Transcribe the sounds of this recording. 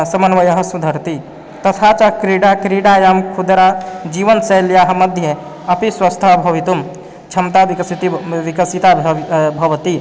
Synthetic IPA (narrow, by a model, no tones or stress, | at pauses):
sɐmɐnʋɐjɐɦɐsud̪ʱɐɾt̪i | t̪ɐt̪ʰaːt͡ʃakɾiɖakɾiɖaːjaːmkʰud̪ɾad͡ʒiːʋɐnsɐljaːɦɐmɐd̪ʱje | ɐpiswɐst̪ʰabʱɐʋit̪um | t͡ʃʰɐmt̪aikɐsit̪iʋikɐsit̪abʱɐʋt̪i